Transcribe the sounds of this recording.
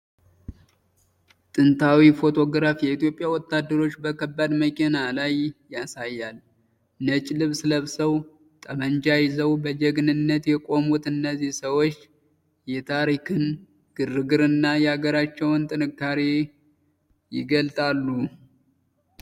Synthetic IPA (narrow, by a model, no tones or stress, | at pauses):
t̪ʼɨnt̪ʰawifo̞t̪ʰo̞ɡɾafjɛit̪ijo̞pʼjawɔt̪ːad̪ːəɾo̞t͡ʃːbəkʰəbːad̪məkʼenalajːasajːal | nət͡ʃʼlɨβsləβsəw | t̪ʼəmənd͡ʒajɪzəwbəd͡ʒɛɡnɨnːət̪jɛkʼo̞mut̪ɨnːəzːihsəwo̞t͡ʃː | jɛt̪ʰaɾikʰɨn | ɡ̥ɨrɨɡɨɾɨnːajɛaɡəɾat͡ʃːɛwnt̪ʼɨnɨkːaɾe | jɪ̰ɡəlt̪ʼalːu